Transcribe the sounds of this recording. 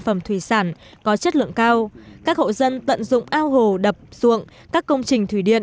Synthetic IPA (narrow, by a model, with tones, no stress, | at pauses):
fə˧˩mt̪ʰwi˧˩saː˧˩n | kɔ˨˦t͡ɕə˦˥t̚lɨ̰˧˨əŋkaː˧wkaː˦˥k̚ho̰˧˨zə˧nt̪ə̰˧˨nzʊ̰˧˨ŋ͡mʔaː˧wɦo˨˩ɗə˨˩p̚z̥ṵ˧˨əŋ | kaː˦˥kːə˧wŋ͡mt͡ɕï˨˩ŋ̟t̪ʰwi˧˩ɗḭ˧˨ə